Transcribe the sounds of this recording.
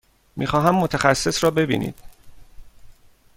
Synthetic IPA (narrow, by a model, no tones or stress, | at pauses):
miːxɒːɦæmːot̪ʰæxæsːe̞sɾɒːbe̞bḭːnḭd̪̥